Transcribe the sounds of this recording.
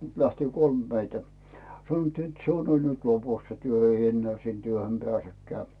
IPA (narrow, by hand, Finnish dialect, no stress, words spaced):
læhti kolm meitæ sɑnŏtːiː net se on ol nyt lopus se tyø eij enːeæˑ sin tyøhøm pĕæˑsekːĕæˑ